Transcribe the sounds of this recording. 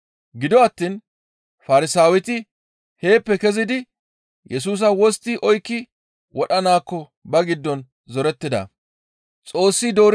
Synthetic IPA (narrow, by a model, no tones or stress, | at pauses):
ɡɪd̪ɔɐt̪ːin | fɐɾɪsaːwɪt̪ɪ | he̞ːpːɛkɛzɪd̪ɪ | jʔɛs̬uːs̬ɐwɔst̪ːɪʔɔjkːɪ | wʔɔɗɐnaːkːɔ | bɐɡɪd̪ːɔn | zɔɾɛt̪ːɪd̪ɐ̰ | t͡sʼo̞ːsːɪd̪o̞ːɾ